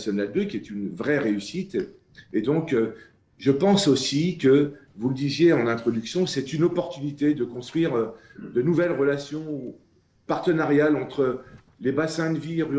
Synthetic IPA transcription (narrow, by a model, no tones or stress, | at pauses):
sɔnad̪økʲiɛt̪ynvʁɛʁeysit̪ | ed̪ɔ̃k | ʒəpɑ̃sosikəvuləd̪izjeɑ̃nɛ̃t̪χɔd̪yksjɔ̃sɛt̪ynɔpɔʁt̪ynit̪ed̪əkɔ̃st̪χɥiʁd̪ənuvɛlʁəlasjɔ̃u | paʁt̪ənaʁjalɑ̃t̪χə | lebasɛ̃d̪əviʁy